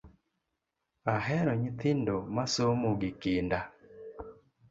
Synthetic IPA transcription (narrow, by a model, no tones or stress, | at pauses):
aɦɛɾɔɲit̪ɪndomasomoɡikɪnda